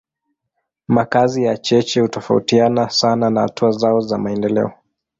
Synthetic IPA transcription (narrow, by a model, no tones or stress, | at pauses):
makazijat͡ʃɛt͡ʃɛhutɔfa̰utianasananaha̰tuazaɔzamaɛndɛlɛ̰ɔ